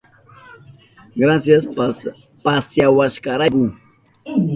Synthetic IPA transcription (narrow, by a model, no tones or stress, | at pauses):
ɡɾasjas | pasjawaʃkaɾakʊ